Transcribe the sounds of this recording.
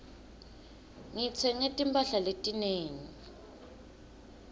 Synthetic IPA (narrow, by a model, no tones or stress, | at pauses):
ŋit͡sʰɛŋetʼimpʼaɬaletʼineːŋi